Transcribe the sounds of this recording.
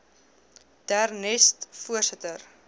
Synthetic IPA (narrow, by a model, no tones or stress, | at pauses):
d̥ærnɛstfuərsətər